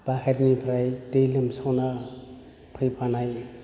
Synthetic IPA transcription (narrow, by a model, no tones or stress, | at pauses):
b̥aheɾŋipʰɾajdejlɯmsawna | pʰɯjpʰanaj